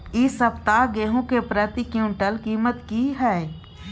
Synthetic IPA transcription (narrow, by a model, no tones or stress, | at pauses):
ɪsəpt̪aːɡeːɦõkepɾət̪ikjũːɳʈəlkiːmət̪kiɦɛː